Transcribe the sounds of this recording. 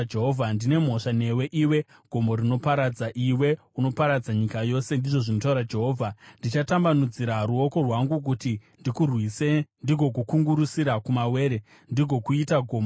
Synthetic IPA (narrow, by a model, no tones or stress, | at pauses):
d͡ʒeɦovʱandine̞mɦo̞ʂane̞we̞ʔiːwe̞ | ɡ̥ʱo̞mbo̞ɾino̞paɾad͡zaʔiwe̞ | uno̞paɾad͡zaɲikajo̞ːse̞ndiʐo̞ʐinotauɾad͡ʒe̞ɦo̞ːvʱandit͡ʃatambanud͡ziɾaɾuo̞ko̞rwaŋɡuk̬utindikurwisendiɡʱo̞k̬ukuŋɡuɾusiɾakumawe̞ːɾe | ndiɡʱo̞kuitaɡʱo̞ːmo